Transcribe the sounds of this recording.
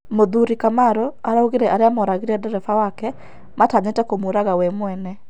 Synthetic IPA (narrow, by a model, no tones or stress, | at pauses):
moðuɾikamaɾɔaɾauɣeɾɛʔaɾeamɔɾaɣiɾɛdɛɾɛfawakɛ | mataɲetɛkomoɾaɣawɛmwɛnɛ